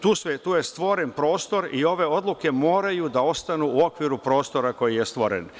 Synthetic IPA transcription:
t̪uːsʋet̪uːjest̪ʋo̞ɾenpɾo̞ːst̪o̞ɾio̞ʋe̞o̞d̪lˠuke̞mo̞ːɾajud̪ao̞st̪anuuo̞kʋiɾupɾo̞ːst̪o̞ɾako̞jijest̪ʋo̞ɾḛn

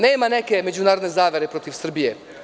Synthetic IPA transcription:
neːmane̞ke̞me̞d͡ʑunaːɾod̪nezaːʋje̞ɾepɾo̞t̪iʋsr̩bije

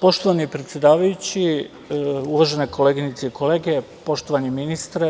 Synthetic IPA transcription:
po̞ʃt̪oʋanipɾet̪sʲje̞d̪aːʋajut͡ɕi | uʋaʒe̞nekʰo̞leɡinit̪seiko̞leːɡe | po̞ʃt̪o̞ʋaniminist̪ɾe

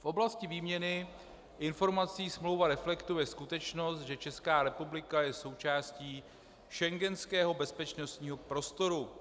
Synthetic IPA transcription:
fʔo̞blascɪviːmɲɛnɪ | ʔɪnfo̞ɾmat͡siːsmlowvaɾɛflɛkt̪ujɛskut̪ɛt͡ʃno̞st̪̚ʒɛt͡ʃɛskaːɾɛpublɪkajɛso̞wt͡ʃaːsciː | ʃɛŋɡɛnskɛːɦo̞bɛspɛt͡ʃno̞st̪ɲiːɦo̞pɾo̞st̪o̞ɾu

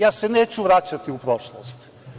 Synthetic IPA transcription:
jasːɛnɛt͡ʃuvɾat͡ʃət̪iupɾɔʃlˠost̪

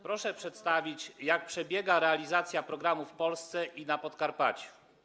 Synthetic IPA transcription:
pɾɔʂɛpʂɛt̪st̪avʲit͡ɕjak̚pʂɛbʲjɛɡaɾɛalʲizat̪sʲjapɾɔɡɾamufpɔlst̪sɛʔinapɔt̪kaɾpat͡ɕu̥

